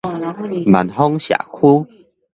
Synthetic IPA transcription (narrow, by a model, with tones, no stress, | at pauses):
ma̰˨nɦɔ˦ŋɕja̰˨kʰu˦